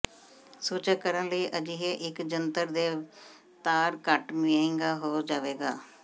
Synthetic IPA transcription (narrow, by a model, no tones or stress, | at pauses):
suːt͡ʃəkəɾənləiːʔəd͡ʒiːɦeʔɪkd͡ʒənt̪əɾd̪eː | t̪aːɾkəʈmɪẽŋɡaːɦoːd͡ʒaːʋeːɡaː